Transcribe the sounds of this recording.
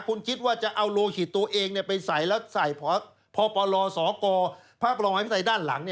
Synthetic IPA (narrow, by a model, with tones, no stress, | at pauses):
kʰu˧nkʰi˦˥t̪̚waː˥˩t͡ɕa˨˩ʔa˧wloː˧kʰi˨˩t̪ːu˧ɐʔeː˧ŋni˥˩pa˧jsa˨˩jlɛː˦˥wsa˨˩jpʰɔː˨˦˥ | pʰɔː˨˧˦pɔː˧lɔː˧sɔː˩˦kɔː˧pʰaː˥˩p̚ʰɔː˧a˧˦˥pʰi˦˥˩a˨˦daː˥˩nla̰˩˦ŋni˥˩